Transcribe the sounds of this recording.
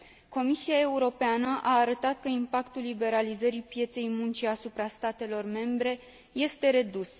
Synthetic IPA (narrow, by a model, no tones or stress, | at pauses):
ko̞misiae̞uɾo̞peanəʔaːɾət̪at̪̚kəimpakt̪ulːibe̞ɾalizəɾipje̞t̪se̞jmunt͡ʃiasupɾast̪at̪e̞lo̞rme̞mbɾe̞ | je̞st̪e̞ɾe̞d̪us